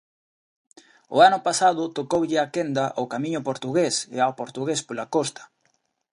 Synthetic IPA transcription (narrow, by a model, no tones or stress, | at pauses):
ʊ̰anʊpasaðʊt̪okowʎɪakend̪aʔawkamĩɲʊpoɾt̪uɣesḛawpoɾt̪uɣespolakost̪ɐ̥